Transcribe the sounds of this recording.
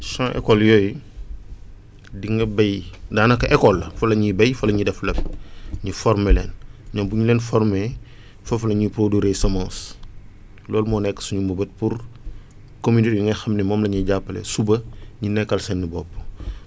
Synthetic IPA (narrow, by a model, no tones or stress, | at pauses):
sãːʔɛ̰kɔljɔːj | diŋɐbɐjdaːnɐkɐʔɛkɔlːɐfɐlɐɲibɐjfɐlɐɲidɛflɐp̚ɲifɔɾmelɛːnɲɔmbuɲulɛːnfɔrme | fɐfɐlɐɲipɾoduɾesɐmãːs | lɔːlmɔnɛkːsuɲumubɐt̚pur | kominitjuŋɐxɐmnɛmɔːmlɐɲiɟapːɐlḛsubɐɲinɛkːɐlsɛnːibɔpː